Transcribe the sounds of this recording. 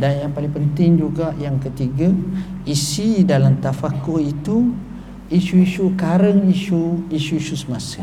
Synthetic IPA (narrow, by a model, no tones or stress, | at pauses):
danjaŋpalɪŋpənt̪ɪŋd͡ʒuɡaʔjaŋkət̪iɡa | isidalamt̪afakohit̪u | isuiʃukaɾəŋiʃuisuiʃusəmasə